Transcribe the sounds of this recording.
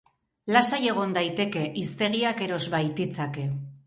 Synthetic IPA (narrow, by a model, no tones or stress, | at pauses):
lasaje̞ɣ̞o̞nd̪ajt̪e̞ke̞ʔist̪e̞ɣ̞iake̞ɾo̞zβajt̪it͡sake̞